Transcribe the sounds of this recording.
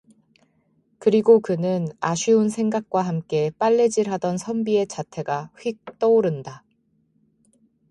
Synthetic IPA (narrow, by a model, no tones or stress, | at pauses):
kɯɾiɡokɯnɯnaɕʰiunsʰe̞ŋɡak̚k͈waɦamk͈e̞p͈aɭːe̞d͡ʑiɾɦadʌnsʰʌmbie̞t͡ɕatʰe̞ɡaɸɥik̚t͈ʌoɾɯnda